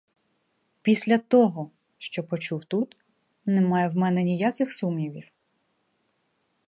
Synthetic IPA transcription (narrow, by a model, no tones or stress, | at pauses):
pʲisʲlʲɐt̪ɔɦɔ | ʃt͡ʃɔpɔt͡ʃuwt̪ut̪ | nɛmɑjɛwmɛnɛnʲijakʲɪxsumnʲiʋʲiw